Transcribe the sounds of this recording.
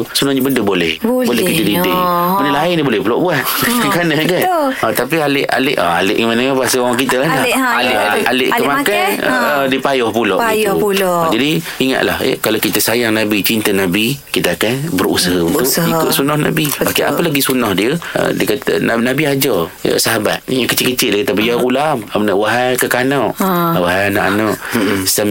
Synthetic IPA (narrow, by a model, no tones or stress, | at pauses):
sunɔhɲəbəndəbolɛhbobolɛhkit̪ədidimənəlaainibolɛhbəloʔbuat̪̚kanəkanət̪ap̬ialɪʔa̰lɪʔa̰alɪʔkəmanəŋabasəawaŋkit̪əlahaalʔaʔalɪʔəmakanəədipajɔhpuloʔijuud͡ʒadi | iŋa̰t̪ʔ̪la̰hḛkalowkit̪əsajaŋnabit͡ʃint̪ənabikit̪əakanbəɾṵsəɦaunt̪ʊikʊt̪sunɔhna̰biokea̰pəlaɡisunɔhdiəə̰dikat̪ə̰nanabiad͡ʒɔə̰səɦaba̰t̪̚jakət͡ʃɪtkət͡ʃɪʔ̪̚dikat̪abəjaɣulamapənaʔwaɦajkəkanɔʔwaɦajana̰ʔanɔʔsam